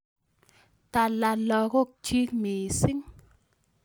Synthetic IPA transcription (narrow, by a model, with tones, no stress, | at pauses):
t̪a˨la˧lɔ˧ɣo˦k̚t͡ʃi˧˦mi˨si˦˥ŋ